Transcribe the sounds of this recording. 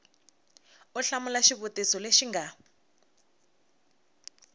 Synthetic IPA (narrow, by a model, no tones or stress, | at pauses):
ɔɬamulaʃiβutisɔleʃiŋɡa